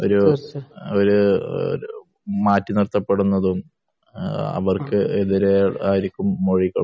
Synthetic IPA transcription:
o̞ɾu | oɾṵ | maːtːinirt̪ːɐpːe̞ɽunːɐðum | ɐ̰ʋɐrkɨeðiɾeaːjiɾikʲːumːoɻikːɐ

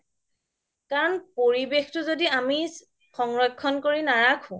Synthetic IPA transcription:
kaɹɔnpoɹibextʊzodiami | xɔŋɹɔkʰːɔnkoɹinaɹakʰʊ̃

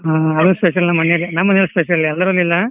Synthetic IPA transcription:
ɦaːɐd̪uspeʃ̬ɐlnɐmɐnɐlinamɐnejɐlspeʃɐlːiɛlːɐɾolːilːɐ

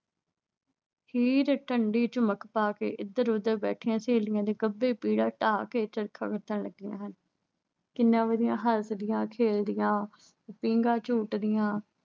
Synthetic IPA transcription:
hiːɾʈʰəɳɖiːt͡ʃʊməkpaːkḛːʔɪd̪əɾʊd̪əɾbɛ̰ːʈʰɪjãːseːlɪjãːd̪eːɡəbːeːpiːɽaːʈaːkeːt͡ʃəɾkʰa̰ːkət̪ʰːəɳləɡːɪjãːɦən | kɪnːãːʋəd̪ɪjãːɦəɾsd̪ɪjãːkʰeːld̪ɪjãː | pĩːŋɡãːt͡ʃuːʈd̪ɪjãː

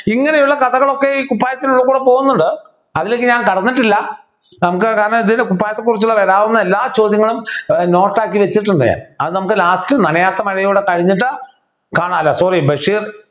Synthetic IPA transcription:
iŋːɐnejuɭːɐkɐðɐɣɐɭo̞kːe̞iːkupːaːjɐt̪ːiluɭːɐkuːɽepo̞ːɣunːuɳɖɨ | ɐðileːkːɨɲaːnkɐɽɐnːiʈːilːɐ | nɐmuk̬ːɨkaːɾɐnɐmiðindekupːaːjɐt̪ːekːurit͡ɕːuɭːɐʋɐɾaːʋunːɐelːaːt͡ɕo̞ːd̪jɐŋːɐɭumno̞ːʈːaːkːiʋet͡ɕːiʈːuɳɖɨja̰nɐ̰ðɨnɐmukːɨlaːstɨnɐnɐjaːt̪ːɐmɐɻɐjoːɽekɐɻiɲːiʈːɨ | kaːɳaːlːɐsoribɐʂiːr

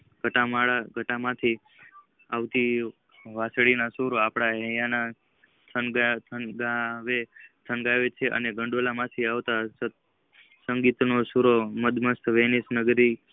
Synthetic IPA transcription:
ɡʱəʈamaɭaɡʱəʈamãt̪ʰi | aʋt̪i | ʋasɭinasuɾoapɽaɦɛ̃jana | t̪ʰənɡat̪ʰənɡaʋet̪ʰənɡaʋet͡ʃʰeʔə̰neɡəɳɖolamãt̪ʰiaʋt̪as | səŋɡit̪nosuɾoməd̪məst̪ʰʋenisnəɡɾi

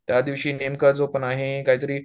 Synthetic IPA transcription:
t̪jad̪iʋɕiːnemkəɾd͡zopənaɦekaɦiːt̪əɾiː

